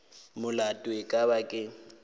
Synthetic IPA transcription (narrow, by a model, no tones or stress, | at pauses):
mʊlatʼwekʼabakʼɪ